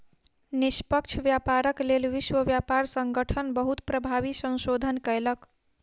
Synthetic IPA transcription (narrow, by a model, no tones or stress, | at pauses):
nispʌkt͡ʃʰʋjapaɾəklelʋiswəbjapaɾsəŋɡəʈʰənbəɦut̪pɾəbʱaβisə̃nsod̪ʱənkəelʌk